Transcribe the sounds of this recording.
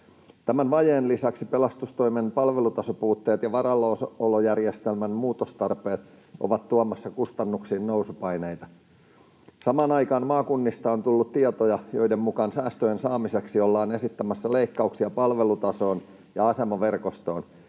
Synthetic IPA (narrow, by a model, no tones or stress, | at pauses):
t̪æmænʋɑjeːnlisæksipelɑst̪ust̪o̞imenpɑlʋelut̪ɑsopuːt̪ːe̞ːt̪jɑʋɑɾɑlosolojærjest̪elmænmuːt̪ost̪ɑrpe̞ːt̪ | o̰ʋɑt̪ːuɑmɑsːɑkust̪ɑnːuksiːnnousupɑjnejt̪ɑ | sɑmɑːnɑjkɑːnmɑːkunːist̪ɑont̪ulːut̪t̪iɑt̪ojɑjo̞idemmukɑnsæːst̪øjensɑːmiseksiolːɑːne̞sit̪ːæmæsːæleikːɑuksiɑpɑlʋe̞lut̪ɑso̞ːn | jɑɑse̞mɑʋe̞rkost̪o̞ːn